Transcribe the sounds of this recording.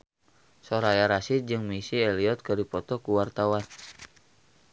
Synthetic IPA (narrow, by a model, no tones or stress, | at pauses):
sɔɾajaɾasit̪̚d͡ʒɨŋmisiɛliɔt̪̚kɨdipɔt̪ɔkuwart̪awan